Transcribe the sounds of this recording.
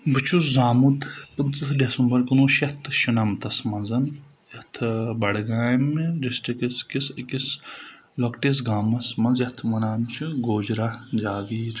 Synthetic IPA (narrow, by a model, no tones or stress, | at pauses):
bɨt͡ʃʰuzaːmud̪pɨnt͡sɨdesumbɐɾkunuːʃɐt̪ʰʃunɐmt̪ɐsmɐnzɐn | jɐt̪ʰbɐɽɡaːmdisʈɐkiskiskis | lɐkʈes̬ɡaːmɐsmɐnzjɐt̪ʰʋɐnaːmt͡ʃʰuɡoːd͡ʒɾad͡ʒaːɡiːɾ